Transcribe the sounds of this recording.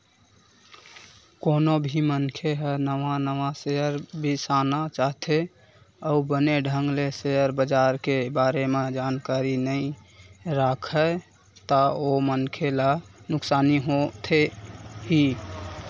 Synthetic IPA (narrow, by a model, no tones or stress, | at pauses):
konobʱimənkʰeɦənəʋanəʋaseəɾbʱisanat͡ʃaɦt̪ʰe | əubəneɖʱəŋɡleseəɾbəd͡ʒaɾkebaɾemed͡ʒankaɾinəĩ | ɾakʰə | t̪əomənkʰelanʊksaniɦot̪ʰeɦi